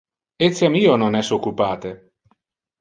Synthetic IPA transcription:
et̪sjamiːononɛsokːupaːt̪e

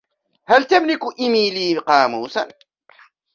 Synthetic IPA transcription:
halt̪amlɪkʔɪmiːliːqɑːmuːsa̰n

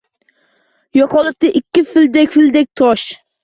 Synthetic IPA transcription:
jɒqɒlˠɪp̚t̪ɪʔɪkʲʰːɪfɪld̪ekʲfɪld̪ek̚ʲt̪ʰɒʃ

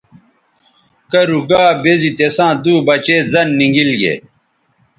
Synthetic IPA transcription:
kɐɾuɡaːbezit̪esãːd̪uːbɐt͡ɕeːzɐnːiŋɡilɡḛ

